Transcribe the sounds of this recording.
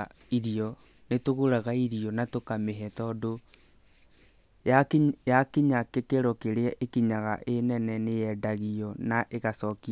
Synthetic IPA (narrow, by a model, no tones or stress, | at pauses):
iɾiɔ | netoɣoɾaɣaiɾiɔnatokameɦɛtɔdo | jakjakiɲakekeɾɔkeɾeaʔekiɲaɣa̰ʔenɛnɛneɛdaɣiɔnaʔeɣasɔkia